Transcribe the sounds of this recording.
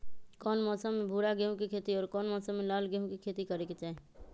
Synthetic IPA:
kɔːnmɔːsəmːẽbʱuːɾaɡeɦũkikʰeːt̪iɔːɾkɔːnmɔːsəmːelaːlɡeɦũkikʰeːt̪ikəɾeket͡ʃaːɦe

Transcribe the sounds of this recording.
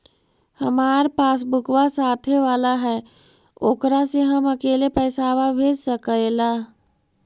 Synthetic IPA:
həmaːɾpaːs̬bʊkʋasaːt̪ʰeʋaːlaɦɛː | oːkɾaseɦəmɐkeːlepɛːsaːʋabʱeːd͡ʒsəkəelaː

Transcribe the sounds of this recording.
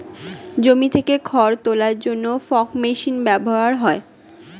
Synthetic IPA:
d͡ʑomit̪ʰekekʰɔɾt̪olaɾd͡ʑonːofɔkmeʃinbɛboɦaɾɦɔe

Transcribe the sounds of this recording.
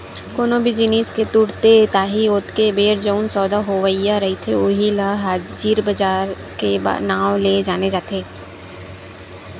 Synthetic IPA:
koːnobʱid͡ʒɪniːsket̪ʊɽt̪et̪aːɦiʊt̪kebeːɾd͡ʒəʊnsɔːd̪aɦoʋəijaɾɐɦit̪ʰeoɦilaɦaːd͡ʒiːɾbɐd͡ʒaːɾ | keba̰naːwled͡ʒaːned͡ʒaːt̪eː

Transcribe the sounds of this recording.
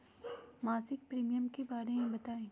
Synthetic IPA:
maːsɪk̚pɾiːmijəmkebaːɾemẽbɐt̪aːẽː

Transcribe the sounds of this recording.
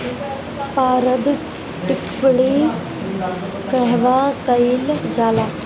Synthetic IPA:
paːɾəd̪ | ʈɪkpɽi | kɐɦʋaːkɐild͡ʒaːlaː

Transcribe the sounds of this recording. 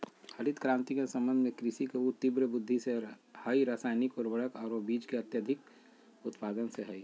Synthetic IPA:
həɾɪt̪kɾãːnt̪ikesə̃mbə̃nd̪ʱmẽkɾɪʃikeut̪ɪbɾəbʊd̪ʱːisehəiɾaːsaːɪnɪkɔɾbəɽəkɔːɾobiːd͡ʒkeɐt̪jəd̪ʱɪk | ʊt̪paːd̪ənseɦəi

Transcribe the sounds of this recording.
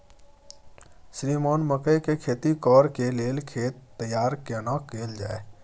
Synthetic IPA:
sɾiːmɔːnməkəjkekʰeːt̪ikɔːɾkeleːlkʰeːt̪ːəjaːɾkenakeːld͡ʒa̰ːe

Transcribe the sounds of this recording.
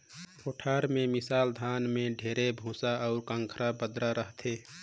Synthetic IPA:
oːʈʰaːɾmẽmɪsaːld̪ʱaːnmẽɖʱeːɾebʱũːsaɔʊɾkə̃ŋkʰɾabəd̪ɾaɾəɦt̪ʰeː

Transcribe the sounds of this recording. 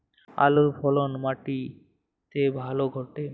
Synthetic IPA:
a̰luɾpʰɔlonmaʈi | t̪ebʱaloɡʱɔʈe

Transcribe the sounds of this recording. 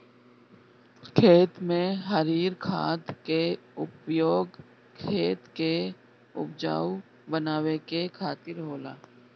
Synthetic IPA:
kʰeːt̪mẽɦəɾiːɾkʰaːd̪keʊpjoːɡ | kʰeːt̪ke | ʊ̰p̚d͡ʒa̰ːu | bənaːwekekʰaːt̪ɪɾɦoːla̰ː

